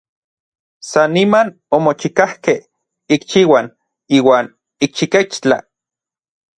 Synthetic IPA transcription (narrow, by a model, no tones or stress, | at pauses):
sanːiman | omot͡ʃikahkeh | ikt͡ʃiːwan | iːwaːn | ik̚t͡ʃiket͡ʃt͡ɬa̰